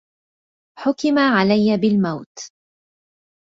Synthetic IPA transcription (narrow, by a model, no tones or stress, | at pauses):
ħʊkɪmaʕalajːabɪlmawt̪